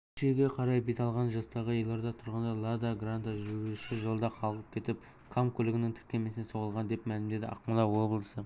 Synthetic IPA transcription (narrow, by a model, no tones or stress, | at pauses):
ɪ̥ʃeɡʲe̞qʰɑɾɑjbet̪ɑlˠʁɑnʒɑst̪ɑʁəjelˠːɑɾd̪ɑt̪ʰʊɾʁənd̪ɑlˠad̪aɡrant̪aʒʏɡʲɪʃɪʒəlˠd̪ɑqʰɑlˠəʁəp̚kʲʰe̞t̪ɪp | kʰamkʰɵlɪɡʲɪnɪŋt̪ʰɪ̥ɾkʲe̞me̞sɪneso̞ʁəlˠʁɑnd̪e̞pmælɪmd̪e̞d̪ɪʔɑ̰qmɑlˠɑwo̞blˠəsə